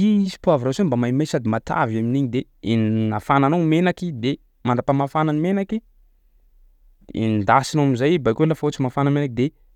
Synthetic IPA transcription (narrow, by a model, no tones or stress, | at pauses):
iizi̥puaviɾasambamamasad̪imat̪a̰vaminiɲid̪e | ennafananamenakid̪e | manɖ͡ʐ̪apamafananimenaki | ḛnind̪asinamizajbajkuelafaot͡simafanəmenak̚d̪e